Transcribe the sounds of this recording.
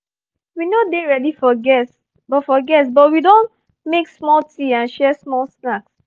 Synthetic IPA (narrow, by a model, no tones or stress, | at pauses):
winodeɹɛdifɔɡɛs | bɔtfɔɡɛs̬bɔt̚widõn | meksmɔltʰiãnʃɛsmɔlsnaks